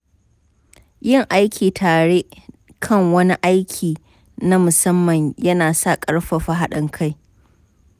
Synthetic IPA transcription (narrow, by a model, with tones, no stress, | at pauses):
jɪ˦˨ŋʔa˦jkʲʰiː˨tʰaː˨ɽe˦ | kʰɐ˦˨ŋwɐ˦ni˦ʔa˦jkʲʰiː˨ | na˦mʊ˨sɐ˦mːɐ˨ɲjɐ˦naː˨sa˦˨kʼɐ˦ɽɸa˨ɸa˦ɦa˦ɗɐ˦ŋkʰa˦˨j